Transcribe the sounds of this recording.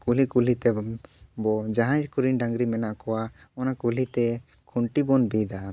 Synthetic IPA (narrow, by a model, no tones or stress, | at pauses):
kulikulit̪ɛbɔd͡ʒaɦãd͡ʒkuɾinɖãŋɡɾimɛnaʔkɔwa | ɔnakulit̪ɛ | kʰuɳʈibɔnbid̪a